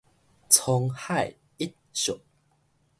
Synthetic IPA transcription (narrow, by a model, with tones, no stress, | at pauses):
t͡sʰɔ˧ŋha˥˨j | i˦t̪̚ɕɔ˨˩k̚